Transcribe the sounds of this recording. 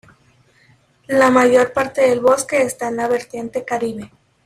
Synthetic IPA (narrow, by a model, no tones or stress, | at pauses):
lamaʝo̞ɾpaɾt̪e̞ðe̞lβo̞ske̞ːst̪aenlaβe̞ɾt̪je̞nt̪e̞kaɾiβe̞